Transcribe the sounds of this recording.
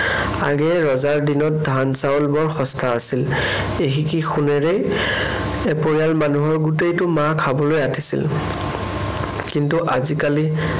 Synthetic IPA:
a̰ɡɛɹɔzaɹdinɔt̚dʱansaolbɔɹxɔstʰaːsil | eɦikixunɛɹɛ | ɛpoɹialmanuɦɔɹɡutejtʊmakʰabɔlojatʰisḭl | kintuʔazikali

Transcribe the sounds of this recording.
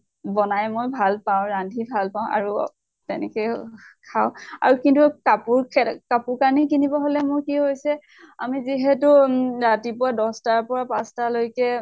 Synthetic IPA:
bɔnajmojbʱalpãʊ̃ɹandʱibʱalpaʊ̃ʔa̰ɹu | tɛnɛ̰kɔjkʰaʊ̃a̰ɹukintukapuɹkʰɛkapʊɹkaɹnikinibɔɦolɛmʊɹkiɦojsɛ | amiziɦɛtʊɹatipʊwadɔstaɹpɔɹapãstalojkɛ

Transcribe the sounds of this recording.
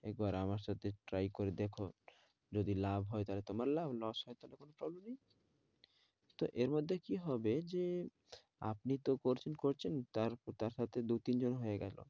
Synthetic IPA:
ɛk̚baɾamaɾʃat̪ʰeʈɾajkoɾed̪ekʰo | d͡ʑod̪ilabʱɦɔet̪alet̪omaɾlabʱlɔsɦɔet̪alekonopɾɔblemnej | t̪oʔeɾmod̪ʱːekiɦɔbed͡ʑe | a̰pnit̪okoɾt͡ɕʰenkoɾt͡ɕʰent̪aɾt̪aɾʃat̪ʰed̪ut̪ind͡ʑonɦoeɡɛlo̰

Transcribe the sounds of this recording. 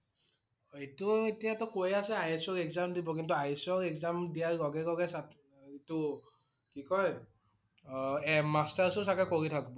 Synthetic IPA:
etuetijatɔkojasɛajsɔɹɛkzamdibɔkintuajsɔɹɛkzamdijaɹɡɔɡɛɡɔɡɛsa | itʊ | kikɔj | ɛmastaɹsɔsakɛkoɹitʰakibɔ

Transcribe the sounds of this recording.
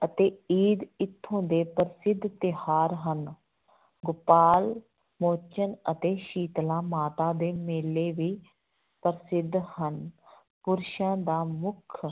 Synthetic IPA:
ət̪eːiːd̪ɪt̪ʰːõːd̪eːpəɾsɪd̪ʱt̪ɪhaːɾɦən | ɡʊpaːl | moːt͡ʃənət̪eːʃiːt̪lãːmaːt̪aːd̪eːmeːlːeːʋiː | pəɾsɪd̪ʱhən | pʊɾʃãːd̪aːmʊkʰ

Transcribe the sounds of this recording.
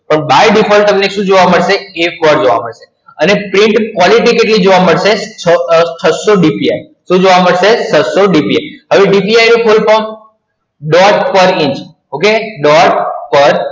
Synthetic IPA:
pəɳbajɖifʰɔlt̪əmnekʃũd͡ʒoʋaməɽʃeekɔɾd͡ʒoʋa̰məɽʃe̥ | ənepɾɪ̃ɳʈkʋɔliʈikeʈlid͡ʒoʋaməɽʃe | t͡ʃʰəsoɖipiai | ʃũd͡ʒoʋaməɽʃesəsoɖipiajɦəʋiɖipiajɾipʰolpom | ɖɔʈpəɾɪ̃ɲt͡ʃ | okeɖɔʈ̚pəɾ

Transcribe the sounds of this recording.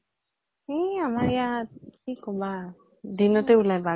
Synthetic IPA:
ɛamaɹɛjakikːɔba | dinɔtɛulajba

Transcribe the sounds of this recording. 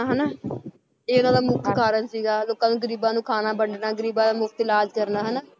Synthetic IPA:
aɦənaː | eːʊnãːd̪aːmʊk̚kʰaːɾənsiːɡaːloːkãːnũːɡəɾiːbãːnũːkʰaːnaːbəɳɖnaːɡəɾiːbãːd̪aːmʊkʰt̪ɪlaːd͡ʒkəɾnaːɦənaː

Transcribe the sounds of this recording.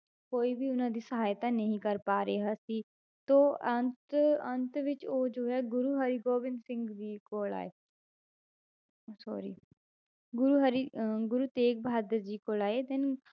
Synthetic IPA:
koːiːbʱiːʊnãːd̪iːsəɦaːjt̪aːnəɦĩːkəɾpaːɾeːɦaːsiː | t̪oːənt̪ənt̪ʋɪt͡ʃoːd͡ʒoːɦɛːɡʊɾuːɦaɾiːɡoːbɪnd̪sɪ̃ŋɡd̪iːkoːla̰ːḛː | sɔ̰ːɾḭː | ɡʊɾuːɦaɾiːɡʊɾuːt̪eːk̚bɦaːd̪əɾd͡ʒiːkoːlaːeːd̪ɪn

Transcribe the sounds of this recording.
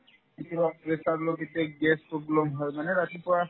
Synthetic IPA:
it̪iɾakɹesaɹloɡit̪eɡɛspɹoblɔmɦɔjmanɛɾat̪ipɔɹa

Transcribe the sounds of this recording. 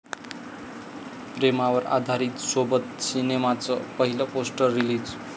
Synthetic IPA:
premawʌɾa̰d̪ʱaɾit̪sobʌt̪̚sinemat͡sʌpʌɦilʌposʈʌrːilid͡z

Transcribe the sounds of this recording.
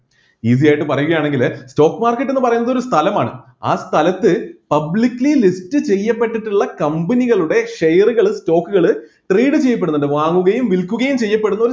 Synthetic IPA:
iːs̬ijaːjiʈːɨpɐrɐjuɣɐjaːɳe̞ŋɡilsto̞ːkːmaːrkːeʈːenːɨpɐrɐjunːɐðoɾust̪ʰɐlɐmaːɳɨ̰ | a̰ːst̪ʰɐlɐt̪ːɨpɐblikːlilistɨt͡ɕe̞jːɐpːe̞ʈːiʈːuɭːɐkɐmbɐniɣɐɭuɽe̞ʂejɐruɣɐɭsto̞ːkːuɣɐɭɨ | ʈriːɖɨt͡ɕe̞jːɐpːe̞ɽunːɐɳɖɨʋaːŋːuɣɐjumʋilkːuɣɐjumt͡ɕe̞jːɐpːe̞ɽunːɐoɾu

